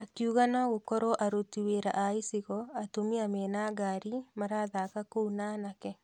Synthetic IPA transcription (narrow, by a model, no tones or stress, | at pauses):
akiuɣanaɣokɔɾɔʔaɾotiweɾa̰ʔaisiɣɔatomiamɛːnaɡaɾimaɾaːðakakounanakɛ